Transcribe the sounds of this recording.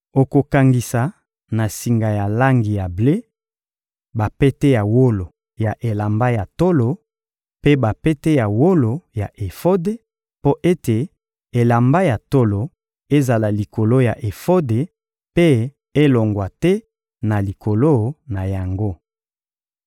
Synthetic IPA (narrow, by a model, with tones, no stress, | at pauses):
o˨ko˨ka˨ŋɡi˨sa˨ | na˨si˨ŋɡa˨ja˨la˦ŋɡi˨ja˨ble˦ | ba˨pɛ˦tɛ˦ja˨wo˦lo˨ | ja˨ʔe˨la˨mba˦ja˨to˦lo˨ | pe˦ba˨pe˦te˦ja˨wo˦lo˨ja˨ʔe˨fo˦de˨ | po˦ʔe˦te˨ | e˨la˨mba˦ja˨to˦lo˨ | e˦za˨la˨li˨ko˨lo˦ja˨ʔe˨fo˦de˨ | pe˦ | e˦lo˨ŋɡwa˨tɛ˦ | na˨li˨ko˨lo˦na˨ja˨ŋɡo˦